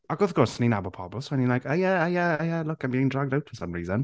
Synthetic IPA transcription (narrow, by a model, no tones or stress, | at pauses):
əkəfkʰɔɹsəninabʊpʰɔbʊswɛnilajkajaajajalʊkãmbiːɪ̃ŋdɹaɡ̚dawtfəsə̃mɹiːzə̃n